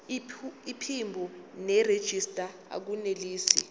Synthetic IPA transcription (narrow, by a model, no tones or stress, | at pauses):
ipʰimbʱunɛred̥ʒ̥ʱistʼa | a̰k̬uneliːsi